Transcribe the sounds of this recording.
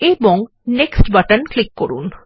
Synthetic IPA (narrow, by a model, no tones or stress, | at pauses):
eboŋ | neksʈbaʈənklikːoɾṵn